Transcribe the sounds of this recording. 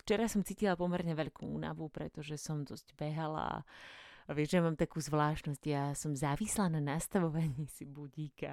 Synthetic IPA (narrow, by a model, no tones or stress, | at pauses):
ft͡ʃɛɾasɔmt͡siːcilapɔmɛɾɲɛʋɛʎkʰuːṵːna̰ʋupɾɛ̰t̪ɔʒɛsɔmd̪ɔzɟbɛɦala̰ | ʋɪɛʒɛmaːmt̪akuːzʋlaːʃtnɔzɟjaːsɔmzaːʋislananast̪aʋɔʋaɲisibuɟiːka